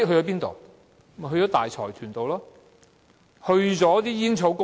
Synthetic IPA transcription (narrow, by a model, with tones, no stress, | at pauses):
ɦɵ˧jɔː˨˥piː˥nt̪o̰˨w | ɦɵ˧ɥjɔː˨˥t̪a̰ː˨jt͡sʰɔ̰ː˨˩jt̪ʰyː˨˩nt̪o˨wlɔː˥ | hɵ˧ɥt͡sɔː˨˥t̪iː˥jiː˥nt͡sʰo˨˥wkʊ˥